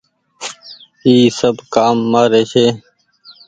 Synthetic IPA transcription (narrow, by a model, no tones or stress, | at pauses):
iːsəbkaːmːaːɾeːseː